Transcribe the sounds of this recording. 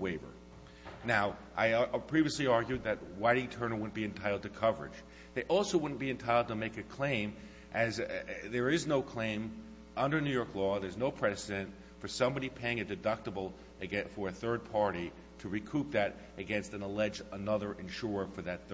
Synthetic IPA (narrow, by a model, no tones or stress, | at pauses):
weɪvə̰˞ | naʊʔaɪpʰɹ̥iviɨsliɑɹɡjʉd̪̚ðɨt̚waɪɾɪ̃ŋtʰɜ̃˞nə˞wʊdⁿn̩b̥iɨ̃ntʰaɪɾl̩ˠd̚tʰɨkʰʌvə˞ɨ̰̥d͡ʒ | ðeɪʔɔlˠsoʊwʊdⁿn̩b̥iɨ̃ntʰaɪɾl̩ˠd̚tʰəmeɪkɨkʰl̥ẽɪ̃m | ʔɨzðə˞ɪznoʊkʰl̥ẽɪ̃m | ʔʌ̃ndə˞nʉjɔɹklɔðə˞znoʊpʰɹ̥ɛsɨɾɨ̃nt | fə˞sʌ̃mbɑɾipʰeɪɪ̃ŋɨdɨdʌk̚təbl̩ˠ | ɨɡɛfə˞ɨθɜ˞d̚pʰɑɹɾi | ɾɨɹikʰup̚ðɨɾ | ɨɡɛ̃nstɨ̃nəlɛd͡ʒənʌðə˞ʔɨ̃nʃʊɹəfə˞ðɨt̪̚